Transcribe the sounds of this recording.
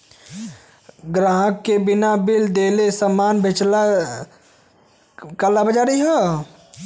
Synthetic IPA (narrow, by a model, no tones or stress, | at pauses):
ɡɾãːɦəkːebɪnabɪld̪eːlesəmaːnbʱet͡ʃla | kəlabəd͡ʒaːɾiɦo